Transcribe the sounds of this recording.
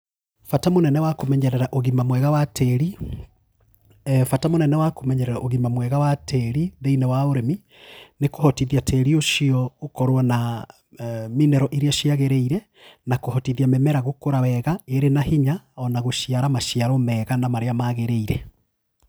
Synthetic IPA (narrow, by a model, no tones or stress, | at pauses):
fatamonɛnɛwakomɛɲɛɾɛɾaʔoɣimamwɛɣawatʰɛɾi | fatamonɛnɛwakomɛɲɛɾɛɾaʔoɣimamwɛɣawatʰɛɾiðeinɛwaoɾemi | nekohɔtiðiatʰɛɾioʃiɔokɔɾowana | minɛɾɔʔiɾiaʃiaɣeɾɛiɾɛ | nakohɔtiðiamɛmɛɾaɣokoɾawɛɣaeɾenahiɲaɔnaɣoʃiaɾamaʃiaɾɔmɛɣanamaɾeamaɣeɾeiɾɛ